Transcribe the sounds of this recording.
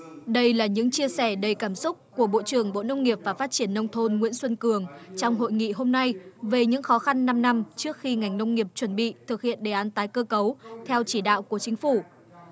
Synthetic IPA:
ɗə˧jlaː˨˩ɲɨ̰˧˥ŋt͡ɕi˧əsɛ˧˩ɗə˨˩jkaː˧˩msʊ˦˥k͡p̚ku˧˩əɓo̰˧˨t͡ɕɨ˨˩əŋɓo̰˧˨nə˧wŋ͡mŋi˨˩əp̚vaː˨˩faː˦˥t̚t͡ɕi˧˩ənːə˧wŋ͡mt̪ʰo˧nŋwḭ˧˥ənswə˧nkɨ˨˩əŋt͡ɕɔ˧wŋ͡mɦo̰˧˨jŋḭ˧˨ɦo˧mna˧jve˨˩ɲɨ̰˧˥ŋxɔ˨˦xa˧nːa˧mna˧mt͡ɕɨ˦˥ək̚xi˧ŋa˨˩jŋ̟nə˧wŋ͡mŋi˨˩əp̚t͡ɕwə˧˩nɓḭ˧˨t̪ʰɨ˨˩k̚hḭ˧˨ənɗe˨˩ʔaː˨˦nt̪aː˨˦jkəː˧kə˨˦wt̪ʰɛ˧wt͡ɕi˧˩ɗa̰ː˧˨wku˧˩ət͡ɕï˨˦ŋ̟fu˧˩

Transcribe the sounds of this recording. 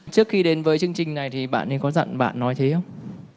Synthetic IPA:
t͡ɕɨ˦˥ək̚xi˧ɗe˨˦nvəː˨˦jt͡ɕɨ˧əŋt͡ɕï˨˩ŋna˨˩jt̪ʰi˨˩ɓa̰ː˧˨nːɗi˨˧˩kɔ˨˦za̰˧˨nɓa̰ː˧˨nːɔ˨˦jt̪ʰe˨˦xə˧wŋ͡m

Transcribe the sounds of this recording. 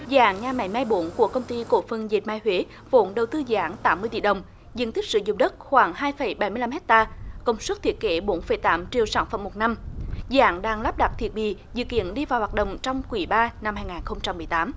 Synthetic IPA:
za̰ː˧˦ŋɲaː˧˩ma̰˧˩jmaː˧jɓo˨˧˦nku˧˩əkə˧wŋ͡mt̪i˧ko̰˧˩fə˨˩nzi˨˩t̚maː˧jɦwe˨˦ | vo̰˧˨˦nɗə˨˩wt̪ɨ˧za̰ː˧˥ŋt̪aː˨˦mːɨ˧əjt̪ḭ˧˨ɗə˨˩wŋ͡m | zɨ̰˧˥ənt̪ï˦˥k̚sɨ̰˧˨˦zʊ̰˧˨ŋ͡mɗə˦˥t̚xwaː˧˩ŋɦaː˧jfə˧˩jɓa˧˩jmɨ˧jla˧mɦɛ˦˥k̚t̪aː˧kə˧wŋ͡mswt̚t̪ʰi˨˩ət̚ke˨˦ɓo˨˦nfə˧˩˦jt̪aː˨˦mt͡ɕḭ˧˨əwsaː˧˩nfə̰˧˩mo˨˩t̚na˧mza̰ː˧˦˥ŋɗaː˧ŋlaː˦˥p̚ɗa˨˩t̚t̪ʰi˨˩ət̚ɓḭ˧˨zɨ̰˧˨kḭ˧˨ənɗi˧vaː˨˩whwaː˨˩t̚ɗə̰˧˨wŋ͡mt͡ɕɔ˧wŋ͡mkwi˧˩˦ɓaː˧na˧mhaː˧jŋaː˨˩nxə˧wŋ͡mt͡ɕa˧mːɨ˨˩əjt̪aː˨˦m

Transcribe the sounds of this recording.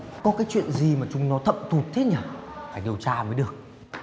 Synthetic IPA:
kɔ˨˦kaː˨˦jt͡ɕwḭ˧˨ənzi˨˩maː˨˩t͡ɕʊ˨˦ŋ͡mnɔ˨˦t̪ʰə̰˧˨mt̪ʰu˨˩t̚t̪ʰe˦˥ɲaː˨˧˩faː˧˩jɗi˨˩əwt͡ɕaː˧vəː˨˦jɗɨ˨˩ə˩k̚

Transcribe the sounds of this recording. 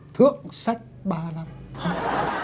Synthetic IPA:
t̪ʰɨ˧˥əŋsa˦˥jk̚ɓaː˧la˧mha˧˦

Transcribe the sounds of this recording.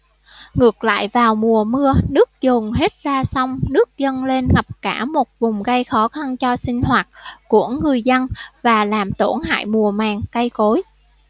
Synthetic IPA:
ŋɨ˨˩ək̚la̰ː˧˨jvaː˨˩wmu˨˩əmɨ˧ənɨ˦˥ək̚zo˨˩nɦe˦˥t̚zaː˧sa˧wŋ͡mnɨ˦˥ək̚zə˧nle˧nŋə˨˩p̚kaː˧˩mo˨˩t̚vʊ˨˩ŋ͡mɣə˧jxɔ˨˦xa˧nt͡ɕɔ˧sï˧ŋ̟hwaː˨˩t̚ku˧˩əŋːɨ˨˩əjzə˧nvaː˨˩laː˨˩mt̪o˧˩nha̰ː˧˨jmu˨˩əmaː˨˩ŋkə˧jko˨˦j

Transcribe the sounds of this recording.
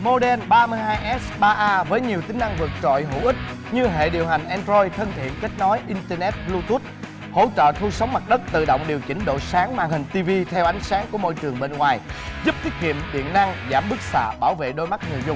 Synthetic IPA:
mo˧ɗɛ˧nɓaː˧mɨ˧əjɦaː˧jʔɛ˦˥sɓaː˧ʔaː˧vəː˨˦jɲi˨˩əwt̪ï˨˦ŋna˧ŋvɨ˨˩ək̚t͡ɕɔ̰˧˨jɦṵ˧˥ʔï˦˥k̚ | ɲɨ˧ɦḛ˧˨ɗi˨˩əwɦa˨˩jŋ̟ʔɛ˧nzɔ˧jt̪ʰə˧nt̪ʰḭ˧˨ənka˦˥k̟̚nɔ˨˦jʔi˧nt̪ɛː˧nɛ˦˥t̚lu˧t̪ʰu˦˥t̚ | ho̰˧˥t͡ɕə̰ː˧˨t̪ʰu˧sə˨˦wŋ͡mma˨˩t̚ɗə˦˥t̚t̪ɨ̰˧˨ɗo̰˧˨wŋ͡mɗi˨˩əwt͡ɕï˨˦ŋ̟ɗo̰˧˨jsaː˨˦ŋmaː˧˩ŋhï˨˩ŋ̟t̪i˧vi˧t̪ʰɛ˧wʔa˨˦jŋ̟saː˨˦ŋku˧˩əmo̰˧˨jt͡ɕɨ˨˩əŋɓe˧nŋwaː˨˩jzu˦˥p̚t̪ʰi˦˥ək̚kḭ˧˨əmɗḭ˧˨ənːa˧ŋzaː˧˩mɓɨ˦˥k̚sa̰ː˧˨ɓaː˧˩wvḛ˧˨ɗo˧jma˦˥t̚ŋɨ˨˩zʊ˧wŋ͡m

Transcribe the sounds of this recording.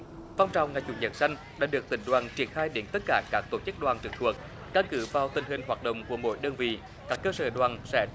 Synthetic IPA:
va˧wŋ͡mt͡ɕa˨˩wŋ͡mŋa˨˩jt͡ɕṵ˨˧˩zə̰˨˩nsa˧jŋ̟ | ɗa̰ː˧˥ɗɨ˨˩ək̚t̪ï˧˩ŋ̟ɗwaː˨˩nt͡ɕi˧˩ənxaː˧jɗe˨˦nt̪ə˦˥t̚kaː˧˦kaː˦˥k̚t̪o˧˩t͡ɕɨ˦˥k̚ɗwaː˨˩nt͡ɕɨ˨˩k̚t̪ʰu˨˩ək̚ | ka˧nkɨ˧˨˦vaː˨˩wt̪ï˨˩ŋ̟ɦï˨˩ŋ̟ɦwaː˨˩t̚ɗə̰˧˨wŋ͡mku˧˩əmo̰˧˥˦jɗəː˧nvḭ˧˨ | kaː˦˥kːəː˧səː˧˩ɗwaː˨˩nsɛ̰˧˥

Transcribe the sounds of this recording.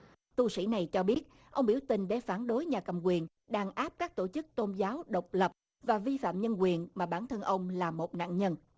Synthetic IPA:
t̪u˧sḭ˧˥˩na˨˩jt͡ɕɔ˧ɓi˦˥ət̚ | ʔə˧wŋ͡mɓi˧˩əwt̪ï˨˩ŋ̟ɗḛ˧˩faː˧˩nɗo˨˦jɲaː˨˩kə˨˩mkwi˨˩ən | ɗaː˧˩ŋʔaː˦˥p̚kaː˦˥k̚t̪o˧˩t͡ɕɨ˦˥k̚t̪o˧nzaː˨˦wɗə˨˩wk͡p̚lə˨˩p̚ | vaː˨˩vi˧fa̰ː˧˨mɲə˧nkwi˨˩ənmaː˨˩ɓaː˧˩nt̪ʰə˧nʔə˧wŋ͡mlaː˨˩mo˨˩t̚na̰ː˧˨nɲə˧n

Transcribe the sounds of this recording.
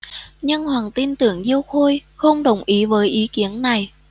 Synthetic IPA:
ɲə˧nhwaː˨˩ŋt̪i˧nt̪ɨ̰˧˩əŋzi˧əwxo˧jxə˧wŋ͡mɗə˨˩wŋ͡mʔi˨˦vəː˨˦jʔi˨˦ki˨˦ənːa˨˩j

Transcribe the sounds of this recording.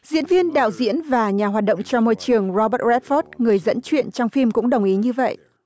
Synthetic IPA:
zḭ˧˥ənvi˧ənɗa̰ː˧˨wzḭ˧˥ənvaː˨˩ɲaː˨˩ɦwaː˨˩t̚ɗə̰˧˨wŋ͡mt͡ɕɔ˧mɔ˧jt͡ɕɨ˨˩əŋzɔ˧ɓəː˦˥t̚zɛ˦˥t̚fɔ˦˥t̚ŋɨ˨˩əjzə̰˧˥nt͡ɕwḭ˧˨ənt͡ɕɔ˧wŋ͡mfi˧mkʊ̰˧˥ŋ͡mɗə˨˩wŋ͡mʔi˨˦ɲɨ˧və̰˧˨jʔ

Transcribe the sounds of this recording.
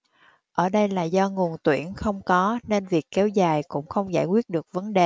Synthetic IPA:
ʔəː˧˩ɗə˧jlaː˨˩zɔ˧ŋu˨˩ənt̪wḭ˧˩ənxə˧wŋ͡mkɔ˨˦ne˧nvi˨˩əkːɛ˨˦wzaː˨˩jkʊ̰˧˥ŋ͡mxə˧wŋ͡mzaː˧˩jkwi˦˥ət̚ɗɨ˨˩ək̚və˨˦nɗe˨˩

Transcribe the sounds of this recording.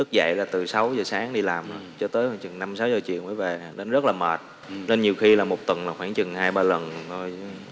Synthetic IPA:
ɨ˦˥k̚za̰˧˨jlaː˨˩t̪ɨ˨˩sa˨˦wzəː˨˩saː˨˦ŋɗi˧laː˨˩mə˧˨˩t͡ɕɔ˧t̪əː˨˦jhːt͡ɕɨ˨˩ŋna˧msa˨˦wzəː˨˩t͡ɕḭ˧˨əwməː˨˦jve˨˩˨ɗe˨˦nzə˦˥t̚laː˨˩məː˨˩t̚ | le˧nɲi˨˩əwxi˧laː˨˩mo˨˩t̚t̪wə˨˩nmaː˨˩xwaː˧˩ŋt͡ɕɨ˨˩ŋhaː˧jɓaː˧lə˨˩n˨˩t̪ʰo˧j

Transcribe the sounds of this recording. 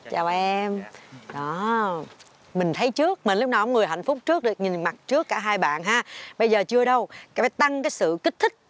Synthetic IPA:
t͡ɕaː˨˩wɛ˧mɗɔ˨˦ | mï˨˩ŋ̟t̪ʰə˨˦jt͡ɕɨ˦˥ək̚mï̟˨˩lk͡p̚naː˨˩kŋ͡mŋɨ˨˩əjɦa˧˨jŋ̟fʊ˦˥k͡p̚t͡ɕɨ˦˥ək̚ɗɨ˨˩ək̚ɲï˨˩nma˨˩t̚t͡ɕɨ˦˥əkːaː˧˩ɦaː˧jɓa̰ː˧˨nɦaː˨˥ɓə˧jzəː˨˩t͡ɕɨ˧əɗə˧wkaː˨˦jt̪a˧ŋkaː˨˦jsɨ̰˧˨ki˦˥k̟̚t̪ʰï˦˥k̟̚

